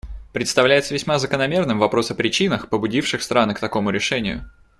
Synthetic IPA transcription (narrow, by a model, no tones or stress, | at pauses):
pɾʲɪt̪st̪ɐvlʲæjɪt̪səvʲɪsʲmazəkənɐmʲe̞rnɨmvɐpɾo̞səpɾʲɪt͡ɕinəxpəbʊdʲifʂɨxst̪ɾanɨkt̪ɐko̞mʊɾʲɪʂɛnʲɪjʊ̰